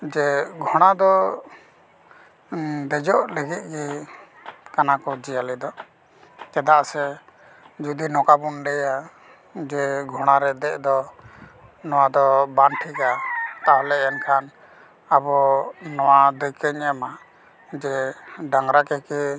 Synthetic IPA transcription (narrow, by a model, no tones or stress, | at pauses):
d͡ʒɛɡʱɔɽ̃ad̪ɔ | d̪ɛd͡ʒɔʔləɡit̪̚ˀɡi | kanakɔd͡ʒijalɛd̪ɔ | kɛd̪aʔsɛ | d͡ʒud̪inɔkabunɖɛja | d͡ʒɛɡʱɔɽ̃aɾɛd̪ɛʔd̪ɔ | nɔwad̪ɔbanʈʰikat̪aɦɔlɛɛnkʰan | abɔnɔwad̪əjkəɲɛma | d͡ʒɛɖaŋɾakɛki